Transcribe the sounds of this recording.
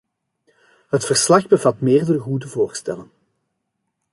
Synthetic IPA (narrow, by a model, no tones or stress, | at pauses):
ɦətfərslɑxbəvɑtmeːrdərəɣudəvoːrstɛ̰lən